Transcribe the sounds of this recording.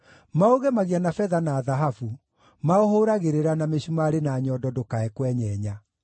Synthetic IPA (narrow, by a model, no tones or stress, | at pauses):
maoɣɛmaɣianafɛðanaːðaɦafu | maohoɾaɣeɾeɾanameɕumaɾenaːɲɔdɔdokaɛkwɛɲɛːɲa